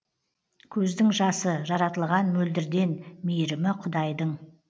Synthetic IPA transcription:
kʲʰɵzd̪ɪŋʒɑsəʒɑɾɑt̪əlˠʁɑnmɵld̪ɪɾd̪e̞nmejɾɪmɪqʰʊd̪ɑjd̪əɴ

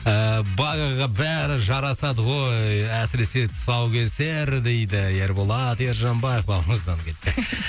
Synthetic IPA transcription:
əbɑɡɑʁɑbæɾɪʒɑɾɑsɑd̪əʁo̞jjæsɪɾe̞se̞t̪ʰʊ̥sɑwkʲʰe̞se̞ɾd̪e̞jd̪ɪje̞ɾbolˠɑt̪je̞ɾʒɑmbɑjefbɑlˠməzd̪ɑnkʲʰe̞t̪ːɪ

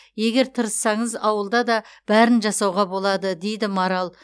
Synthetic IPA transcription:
je̞ɡʲe̞ɾt̪ʰəɾəsːɑɴəzɑwəlˠd̪ɑd̪ɑb̥æɾɪnʒɑsɑwʁɑbo̞lˠɑd̪əd̪e̞jd̪ɪmɑɾɑlˠ

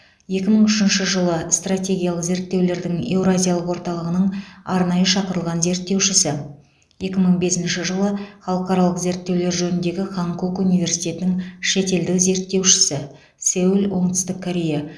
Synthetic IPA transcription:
je̞kʲɪməɴʏʃɪnʃɪʒəlˠəst̪rat̪ʲe̞ɡʲijalˠəqze̞ɾt̪ːe̞wle̞ɾd̪ɪŋe̞wɾazʲijalˠəqwo̞ɾt̪ɑlˠəʁənəɴɑɾnɑjəʃɑqəɾəlˠʁɑnze̞ɾt̪ːe̞wʃɪsɪ | je̞kʲɪməɴbe̞sɪnʃɪʒəlˠəχɑlˠəqɑɾɑlˠəqze̞ɾt̪ːe̞wle̞ɾʒɵnɪnd̪e̞ɡʲɪχɑŋkokunijvʲe̞rsi̥jt̪e̞t̪ɪnɪŋʃe̞t̪e̞ld̪ɪkze̞ɾt̪ːe̞wʃɪ̥sɪ | sæwɪlwo̞ɴt̪ə̥st̪ɪkʰːoɾʲe̞ja

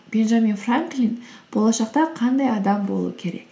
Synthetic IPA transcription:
b̥e̞nʒaminfraŋklinb̥o̞lˠɑʃɑqt̪ɑqʰɑnd̪ɑjɑd̪ɑmbo̞lˠṵəkʲʰe̞ɾe̞̰kk

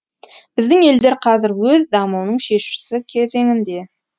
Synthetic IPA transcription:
b̥ɪzd̪ɪŋe̞ld̪eɾqʰɑzɪɾwɵzd̪ɑmuwnəɴʃe̞ʃɪ̥ɪ̥sɪkʲʰe̞ze̞ŋɪnd̪e̞

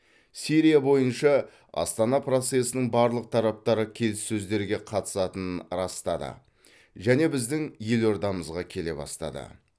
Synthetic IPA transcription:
siɾijabo̞jənʃɑ | ɑ̰st̪ɑnɑpro̞t̪se̞sɪnɪɴbɑɾlˠəq̚t̪ʰɑɾɑp̚t̪ɑɾəkʲʰe̞lɪsːɵzd̪e̞ɾɡʲe̞qʰɑt̪ə̥sɑt̪ənɾɑst̪ɑd̪ə̰ | ʒæne̞bɪzd̪ɪŋje̞lo̞ɾd̪ɑməzʁɑkʲʰe̞le̞bɑ̰st̪ɑ̰d̪ə̰

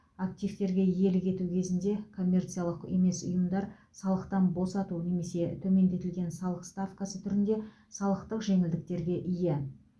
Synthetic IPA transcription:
ak̚t̪ijvt̪e̞ɾɡʲe̞je̞lɪkʲʰe̞t̪ukʲʰe̞zɪnd̪e̞kʰo̞mʲːe̞rt̪sijalˠəqeme̞sʊ̰jəmd̪ɑɾ | sɑlˠəqt̪ɑnbo̞sɑt̪une̞me̞se̞t̪ʰɵme̞nd̪e̞t̪ɪlɡʲe̞nsɑlˠəqst̪afkasət̪ʰʏɾɪnd̪e̞ | sɑlˠəqt̪əqʒe̞ŋɪld̪ɪk̚t̪e̞ɾɡʲe̞ʔije

